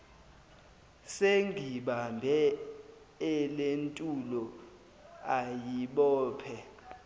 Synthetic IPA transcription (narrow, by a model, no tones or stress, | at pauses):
seŋɡʱiɓambʱɛ | ɛlentʼulɔ | ajiɓɔːpʰɛ